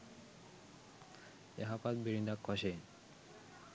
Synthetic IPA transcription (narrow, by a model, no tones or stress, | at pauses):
ḛɦapat̪̚biɾind̪akːɔʃen